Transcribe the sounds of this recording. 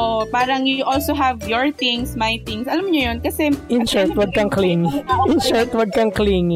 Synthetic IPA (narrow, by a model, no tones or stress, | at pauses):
ʔopaːɾɐŋjʊʔolsoɦɛvjɔɹt̪iŋsmɐjt̪iŋsʔɐlɐmːɲojonkɐsɛʔɪnʃɛɹt̪wɐɡ̚kɐŋkliːŋɪʔɪnʃɛɹt̪wɐd̚kɐŋkliːŋɪ